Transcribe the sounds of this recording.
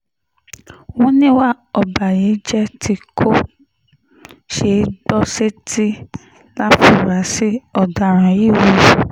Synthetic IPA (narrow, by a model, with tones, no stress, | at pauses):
wɔ̃˦nĩ˦wa˦˨ | ɔ˧˨ba˨je˨˦d͡ʒɛ˦ti˧kʰo˦ | ʃe˧˦bɔ˦se˦ti˦ | la˦fu˨ɾa˨˦si˦ɔ˧˨da˨ɾ̃ã˨ji˦˨wi˦˧˨